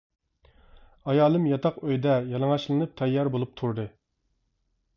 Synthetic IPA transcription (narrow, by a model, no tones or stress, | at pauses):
ɑjɑːlˠɨmjɑt̪ʰɑqøjd̪ɛjɑlˠɨŋɑʃlˠɨnɨp̚t̪ʰɛjːɑɾbolˠup̚t̪ʰuɾd̪ɨ